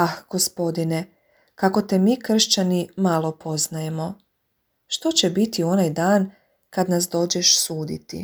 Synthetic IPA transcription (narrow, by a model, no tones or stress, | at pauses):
axɡ̥o̞spo̞d̪ine | kako̞t̪emiːkr̩ʃt͡ɕanimalˠo̞pʰo̞znaje̞mo̞ | ʃt̪ot͡ɕe̞bit̪io̞najd̪aːn | kad̪nasd̪o̞ːd͡ʑe̞ʃsuːd̪ḭt̪ḭ